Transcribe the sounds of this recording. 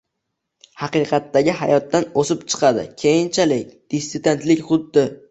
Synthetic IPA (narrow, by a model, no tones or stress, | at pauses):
hɑqɨqʰɑt̪ːaɡʲɪɦajɒt̪ːanosɪpt͡ʃʰɨ̥qʰɑd̪ɪ̰kʲʰejɪnt͡ʃʰalɪk̚ʲd̪̥ist̪ːsɪd̪e̞nt̪lɪkʲχʊd̪ːɪ